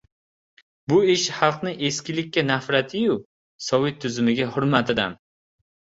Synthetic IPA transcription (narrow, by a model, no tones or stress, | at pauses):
bʊɪʃhɑlˠqnɪʔe̞skʲɪlɪkʲːanafɾat̪ʰɪjʊ | sɒwɪt̪t̪̚ʰːʊzʊmɪɡʲahʊɾmat̪ʰɪd̪a̰n